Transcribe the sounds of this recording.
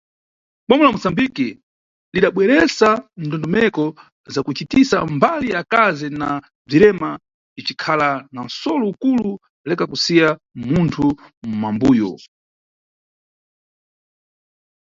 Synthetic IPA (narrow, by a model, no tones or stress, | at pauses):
ɓamulamusambiki | liɗaɓwɛɾɛsandɔndɔmɛkɔ | zakut͡ʃitisa̰mbalijakazina | b͡ʐiɾɛma | it͡ʃikʰalanan̩sɔlɔukulu | lɛkakusijammuntʰum̩mambuːjɔ̰